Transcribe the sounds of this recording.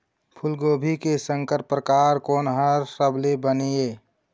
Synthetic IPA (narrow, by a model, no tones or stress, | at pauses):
pʰʊlɡoːbʱikesəŋkəɾpɾəkaɾkoːnɦəɾsəbʱlebənieː